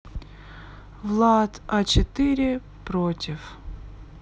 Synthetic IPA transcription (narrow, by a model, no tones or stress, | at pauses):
vlˠat̪ɐt͡ɕɪt̪ɨɾʲɪ | pɾotʲɪf